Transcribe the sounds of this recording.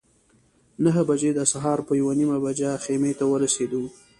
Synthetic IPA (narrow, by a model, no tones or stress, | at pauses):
nəɦəbad͡ʒed̪əsaɦɑɾpəjawanimabad͡ʒaxemet̪awəɾased̪u